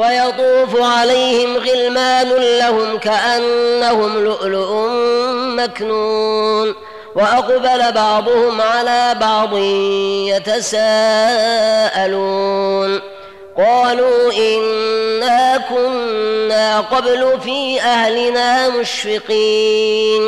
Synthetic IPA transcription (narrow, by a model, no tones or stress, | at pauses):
wajɑt̪ˤuːfʊʕalajhɪmɣɪlmaːnʊlahʊmkaʔanːahʊmlʊʔlʊʔʊmːaknuːn | waʔɑqbalabɑʕd̪ˤʊhʊmʕalaːbɑʕd̪ˤɨhɪmmjat̪asaː | ʔaluːn | qɑːluːʔɪnːaːkʊnːaːqɑblʊfiːʔahlɪnaːmʊʃfɪqiːn